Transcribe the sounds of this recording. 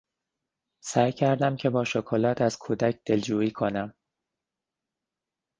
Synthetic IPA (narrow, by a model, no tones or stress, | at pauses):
sæːjcʰæɾd̪æmcʰe̞bɒːʃokʰolɒːt̪ʰæz̥kʰuːd̪æcʰd̪̥e̞ld͡ʒuːiːkʰonæm